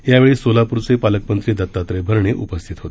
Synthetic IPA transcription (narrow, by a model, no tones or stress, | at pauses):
jaʋeɭiːsolapuɾt͡sepaləkmənt̪ɾiːd̪ət̪ːat̪ɾəbʱəɾɳeʔupəst̪ʰit̪ɦot̪e